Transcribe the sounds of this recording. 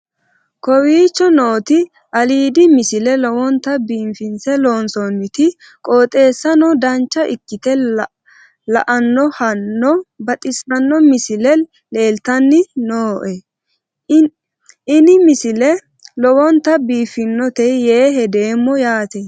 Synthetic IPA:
kɔwiːt͡ʃːɔno̞ːt̪ɪ | ʔɐliːd̪ɪmɪsɪlɛlɔwɔnt̪ːɐbiːmfɪnsɛloːnsɔnːɪt̪ɪ | kʼoːt̪ʼe̞ːsːɐnɔd̪ɐnt͡ʃːɐʔɪ̰kːɪt̪ɛ | lɐ̰ʔɐnːɔhɐnːɔbɐt̪ʼɪsɐnːɔmɪsɪlɛ | le̞ːlt̪ɐnːɪnoːʔɛ | ɪnɪmɪsɪlɛ | lɔwɔnt̪ːɐbiːfɪnːɔt̪ɛjːeːɦɛd̪e̞ːmːɔjaːt̪e

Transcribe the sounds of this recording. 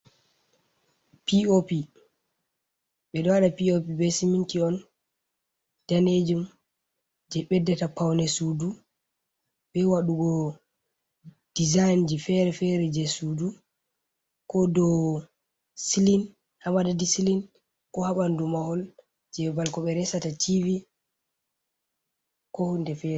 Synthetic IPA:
piopi | ɓɛɗɔwaɗapiopibɛsimintiɔn | d̥aned͡ʒum | d͡ʒɛɓɛdːɛtapawnɛsudu | ɓɛwaɗuɡɔ | d̥izajnd͡ʒifɛɾɛfɛɾɛd͡ʒɛsudu | kɔdɔ | silin | hamadadisilin | kɔhaɓandumahɔl | d͡ʒɛbalkɔɓɛɾɛsatatʰivi | kɔhundɛfɛɾɛ

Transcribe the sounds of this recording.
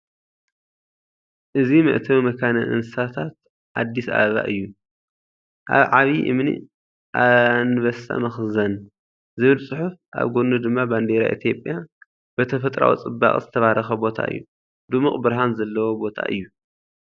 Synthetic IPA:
ʔɨzimɨ̰ʔt̪ʰɐomɐkʰanɐʔɨ̰nɨsat̪ʰat̪̚ | ʔa̰d̪ːisa̰ββa̰ʔɨjːu | ʔaβʕaβiʔɨ̰mnḭ | ʔanɨβɐsʰa̰mɐxzɐn | zɨβɨlsʼɨħufʔa̰βɡonːud̪ɨmːaband̪eɾa̰ʔḭt̪ʰijo̞pʼja | b̥ɐt̪ʰɐfɐt̪ʼɾa̰wḭt͡sʼɨbːa̰χʼzɨt̪ʰɐβaɾʔɐxɐbo̞t̪ʰa̰ʔɨ̰jːu | d̪umɨχʼbɨɾɦanzɐlːɐwobo̞t̪ʰa̰ʔɨ̰jːu

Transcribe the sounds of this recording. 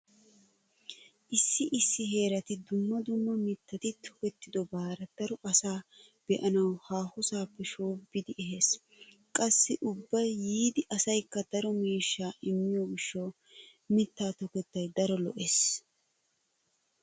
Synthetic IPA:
ʔɪsːɪʔɪsːɪɦe̞ːɾɐt̪ɪd̪ʊmːɐd̪ʊmːɐmɪt̪ːɐt̪ɪt̪ʰɔ̥kɛt̪ːɪd̪ɔbaːɾɐd̪̥ɐɾɔʔɐsaː | b̥ɛʔɐnɐwhaːhʊsaːpːɛʃoːbɪd̪ɪʔɛɦeːs | kʼɐsːɪʔʊbːɐjːiːd̪ɪʔɐsɐjkːɐd̪ɐɾɔmiːʃːaːʔɪmːɪjoːɡɪʃːɐw | mɪt̪ːaːt̪ɔkɛt̪ːɐjd̪ɐɾɔlɔ̰ʔes

